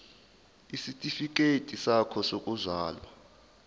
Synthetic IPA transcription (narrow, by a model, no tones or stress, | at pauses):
isitʼifik̬ʼetʼisakʰɔsokʼuzaːlwa